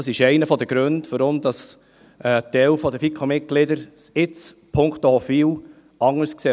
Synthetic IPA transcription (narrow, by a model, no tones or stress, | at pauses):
ɑsɪʃɛɪnəfɔd̪əɡ̥ɾøndfɔɾomd̥ɑs | ʔɛt̪ɛwfɔdəfikʰomɪt̚ɡ̥lɪdəɾsɪt͡s | pʰʊŋkt̪oɔfiːw | ɑŋːəskseː